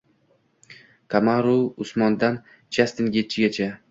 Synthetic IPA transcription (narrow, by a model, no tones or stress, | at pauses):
kʰamaɾuʊsmɒnd̪an | t͡ʃʰast̪ɪnɡʲet̪̚t͡ʃʰɪɡʲat͡ʃʰa